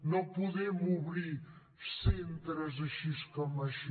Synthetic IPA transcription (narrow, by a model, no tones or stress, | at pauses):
nɐ̃w̃puðemuβɾiɾ | sẽnt̪ɾɐzɐʃiʃkomɐʃ